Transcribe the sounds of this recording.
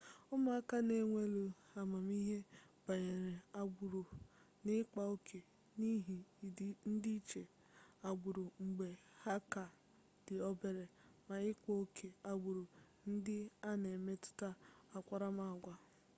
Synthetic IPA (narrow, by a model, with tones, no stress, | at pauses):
ʊ˦ma˦˨a˦ka˦ne˦ŋʷe˦lu˦a˨ma˨m˦i˦ɦe˦ba˨ɲe˨ɾe˨a˨ɾ | nɪ˦k͡pa˨o˦kʰe˨ | ni˦ɦi˨n̩˦di˦i˦t͡ʃe˨ | a˨ɡ͡bʊ˨ɾʊ˨ŋ͡m̩˨ɡ͡be˨ha˦ka˨ | d̥ɪ˨ɔ˦be˨ɾe˨ma˨ɪ˦ko˦o˦kʰe˨a˨ɡ͡bʊ˨ɾu˨ | n̩˦dɪ˦a˦ne˨me˦tʊ̥˦ta˦a˨kʷa˦ɾa˦ma˦˨ɡʷa˦